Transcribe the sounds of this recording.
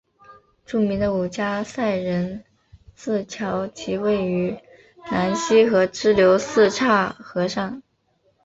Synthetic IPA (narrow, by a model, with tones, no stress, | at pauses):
ʈ͡ʂu˥˩mi˧˥ŋd̪ə˧u˨˩t͡ɕja˥sa˥˩ɪɻə˧˥n | sɹ̩˥˩t͡ɕʰjɑ˧˥ʊt͡ɕʰi˧˥we˥˩ɪy˧˥ | na˧˥nɕi˥xɤ˧˥ʈ͡ʂɻ̩˥ljo˧˥ʊsɹ̩˥˧ʈ͡ʂʰa˥˩xɤ˧˥ʂɑ˥˩ŋ